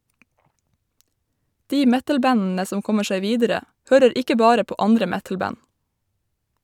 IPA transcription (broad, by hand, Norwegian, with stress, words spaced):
ˈdiː ˈmɛtəlˌbænn̩ə ˈsɔm ˈkɔmə ˈʃeɪ ˈʋiːdəɾə ˈhøːɾəɾ ˈɪkə ˈbɑːɾə ˈpoː ˈɑndɾə ˈmɛtl̩ˌbæn